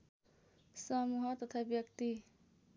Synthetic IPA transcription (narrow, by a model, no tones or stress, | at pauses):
sʌmuɦʌt̪ʌt̪ʰabjʌkt̪i